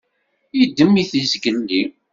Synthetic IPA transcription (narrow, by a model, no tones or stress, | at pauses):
jəd̪ːəmːiθizɡənːi